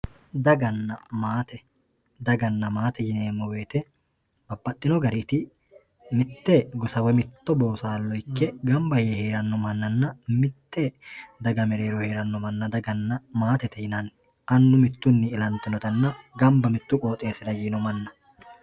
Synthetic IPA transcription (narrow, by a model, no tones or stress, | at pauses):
d̪ɐɡɐnːɐmaːt̪ɛd̪ɐɡɐnːɐmaːt̪ɛjɪne̞ːmːɔweːt̪ɛb̥ɐbːɐt̪ʼːɪnɔɡɐɾiːt̪ɪ | mɪt̪ːɛɡɔsɐwɛmɪt̪ːɔbo̞ːsaːlːɔɪkːɛɡɐmbɐjɛhe̞ːɾɐnːɔmɐnːɐnːɐmɪt̪ːɛd̪ɐɡɐmɛɾe̞ːɾɔhe̞ːɾɐnːɔmɐnːɐd̪ɐɡɐnːɐmaːt̪ɛt̪ɛjɪnɐnʔɐnːʊmɪt̪ːʊnːɪːlɐnt̪ːɪnɔt̪ɐnːɐɡɐmbɐmɪt̪ːʊkʼo̞ːt̪ʼe̞ːsɪd̪ɐjiːnɔmɐnːɐ